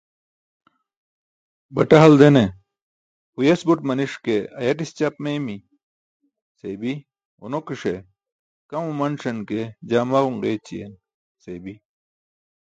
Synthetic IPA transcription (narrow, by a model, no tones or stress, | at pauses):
bɐʈɐɦɐld̪ene | ujesbuʈmɐniʂkeɐjɐʈ̬ist͡ɕɐpmejmi | sebi | unokiʂe | kɐmumɐnʂɐnked͡ʑaːmaʁuŋɡeːt͡ɕijḛn | sebi